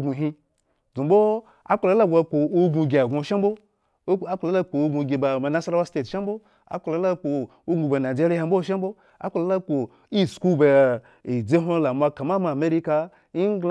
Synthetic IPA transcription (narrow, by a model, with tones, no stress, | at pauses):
ɡu˨ɦi˧ | d͡zu˨bo˦ | a̰˦k͡pa˨la˦la˦ɡʷa˧k͡po˨o˦ɡu˧ɡʲe˨a˨ɡʷo˧˨ʃa˦m˦bo˦ | k͡pla˦la˦k͡po˨o˦ɡu˧ɡʲe˨ba˨ma˨na˦sa˦ɾa˦ba˦ste˦˨tʃa˦m˦bo˦ | a̰˦k͡pa˧la˨˦la˦k͡po˨ | o˦ɡu˧ba˨na˨d͡ʒe˦ɾi˦a˨˧m̩˦bo˦ʃ̬a˦m˦bo˦ | a̰˦k͡pa˨la˨˦la˦ko˨ | i˦sku˦ba˨ | i˨d͡ze˦ɦʷo˦la˨mʷa˧ka˨ma˦ma˨me˦ɾi˦ka˧ | i˦ɡ